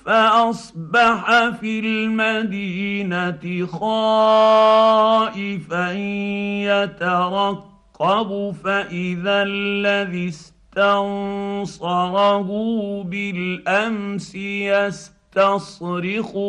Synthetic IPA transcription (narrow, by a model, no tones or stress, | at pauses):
faʔɑsˤbɑħafilmad̪iːnat̪ɪxɑː | ʔɪfanjat̪aɾˤɑqː | ɑbʊfaʔɪðalːaðɪst̪ansɑɾˤɑhʊbɪlʔamsɪjast̪ɑsɾɪxʊ